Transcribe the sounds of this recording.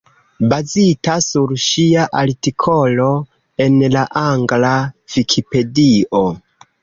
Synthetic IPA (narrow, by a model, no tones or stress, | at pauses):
bazitasuɾʃiaʔaɾtikʰo̞lo̞ | e̞nlaʔaŋɡlavikʰipe̞dio